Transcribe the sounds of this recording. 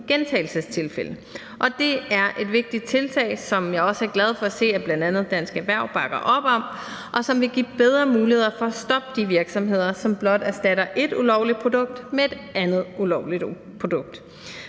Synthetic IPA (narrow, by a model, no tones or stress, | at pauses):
ɡ̥ent͡sʰɛɪl̩səst͡sʰe̝lfelə | ʔɒ̽d̥e̝æɐʔe̝d̥ʋe̝ɡ̥̚d̥id̥̚t͡sʰe̝lt͡sʰɛ̰ɪsɒ̽mjɑ̈ɪɒ̽səæɐɡlæð̞ˠfɒ̽æse̝̰ːæb̥lænd̥ænð̞̩ˠd̥ænsɡ̥æʋæɐ̰ʊ̰b̥ɑ̈ɡ̥ɐʔɒ̽b̥ɒ̽m | ʔɒ̽sɒ̽mʋe̝ɡ̥ḭːb̥eð̞ˠʁɐmuːlihe̝ð̞̰ˠɐfɒ̽æsd̥ɒ̽b̥̚d̥iʋiɐɡ̥sɒ̽mɦe̝ð̞̰ˠɐsɒ̽mb̥lɒ̽d̥æsd̥æɾ̥ɐʔe̝d̥ulɒʊ̰lid̥̚pʰʁo̝d̥ɔ̽ɡ̥̚d̥mee̝d̥ʔænð̞̩ˠulɒʊlid̥ | pʰo̝d̥ɔ̽ɡ̥̚d̥